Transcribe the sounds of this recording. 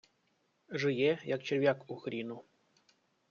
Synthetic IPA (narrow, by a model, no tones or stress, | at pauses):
ʐɨjejak̚t͡ɕerʲvʲakuxɾʲinu